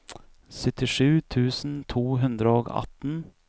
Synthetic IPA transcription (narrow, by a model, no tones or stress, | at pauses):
sœt̪ɪʂʉːt̪ʰʉːsn̩t̪ʰuːɦɵnd̪ɾəɔːɡɑ̰t̪n̩